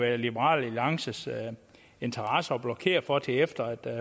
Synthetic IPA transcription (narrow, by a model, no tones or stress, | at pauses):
ʋæɐɐlib̥ɐʁɑ̰̈ːlelɑ̈ŋsəs | e̝nt͡sʰɐʁɑsəɒ̽b̥lɒkʰe̝̰ːɐfɒ̽t͡sʰe̝efd̥ɐæd̥